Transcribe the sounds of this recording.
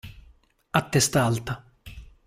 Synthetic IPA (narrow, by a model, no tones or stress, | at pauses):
at̪ːɛst̪alt̪a